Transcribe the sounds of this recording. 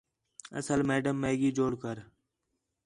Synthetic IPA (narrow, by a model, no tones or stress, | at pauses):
ə̰səlmeːɖəmːeːɡiːd͡ʒoːɽkəɾ